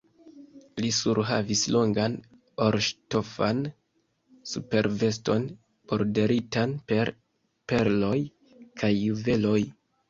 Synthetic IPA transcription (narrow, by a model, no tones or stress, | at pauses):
lisuɾɦa̰vislo̞ŋɡan | oɾʃtofa̰n | supe̞ɾve̞sto̞n | po̞ɾde̞ɾitanpe̞ɾ | pe̞ɾlo̞j | kʰajːuve̞lo̞j